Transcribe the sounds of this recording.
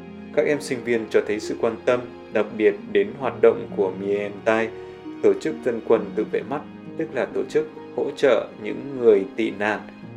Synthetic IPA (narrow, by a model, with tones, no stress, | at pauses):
kaː˦˥k̚ʔɛ˧msï˧ŋ̟vi˧ənt͡ɕɔ˧t̪ʰə˨˦jsɨ̰˧˨kwaː˧nt̪ə˧m | ɗa˨˩t̚ɓi˨˩ət̚ɗe˨˦nɦwaː˨˩t̚ɗo̰˧˨wŋ͡mku˧˩əmi˧˩ɛ˧mt̪a˧j | t̪o˧˩t͡ɕɨ˦˥k̚zə˧nkwə˧nt̪ɨ̰˧˨vḛ˧˨˩ma˦˥t̚t̪ɨ˦˥k̚laː˨˩t̪o˧˩t͡ɕɨ˦˥k̚ | ho̰˧˥t͡ɕə̰ː˧˨ɲɨ̰˧˥ŋːɨ˨˩əjt̪ḭ˧˨na̰ː˧˨ŋ